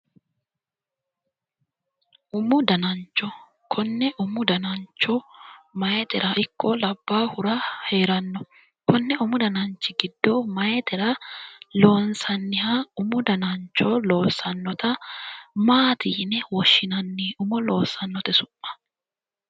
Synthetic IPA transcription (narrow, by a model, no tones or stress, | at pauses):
ʔʊmʊd̪ɐnɐnt͡ʃːɔ | kʰɔnːɛʔʊmʊd̪ɐnɐnt͡ʃːɔmɐjet̪ɛɾɐʔɪkːɔlɐbːaːhʊɾahe̞ːɾɐnːɔ | kɔnːɛʊmʊd̪ɐnɐnt͡ʃːɪɡɪd̪ːɔmɐjet̪ɛɾɐlo̞ːnsɐnːɪhaʊmʊd̪ɐnɐnt͡ʃːoːlo̞ːsɐnːɔt̪ɐ | maːt̪iːnɛwɔʃːɪnɐnːiːʊmʊlo̞ːsːɐnːɔt̪ɛsʊʔːɐ̥